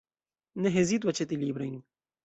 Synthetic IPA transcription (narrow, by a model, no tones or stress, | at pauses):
neɦezit̪̬wɐt͡ʃʰet̪iliːbɾɐn